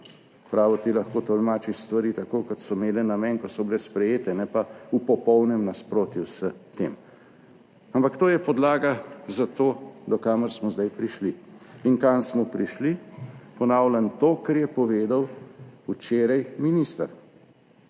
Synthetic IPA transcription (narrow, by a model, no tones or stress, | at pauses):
pɾaːʋɔt̪ilaxkoːt̪ɔlmaːt͡ʃist̪ʋaɾiːt̪akoːkɔt̪sɔmeːlɛnamɛnkɔt̪sɔblɛspɾɛjeːt̪ɛnɛpaupɔpɔwnɛmnaspɾoːt̪jusət̪eːm | ampakt̪oːjɛpɔd̪laːɡazat̪oːd̪ɔkaːməɾsmɔzd̪ajpɾiʃliinkansmɔpɾiʃlipɔnaːwlʲant̪oːkɛɾjɛpɔʋeːd̪awut͡ʃeːɾajminist̪aɾ